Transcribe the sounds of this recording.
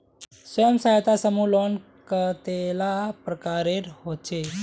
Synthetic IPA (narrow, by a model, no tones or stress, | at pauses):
sʋəjəmsaɦt̪asəmulon | kət̪elapɾəkaɾeɾɦot͡ʃe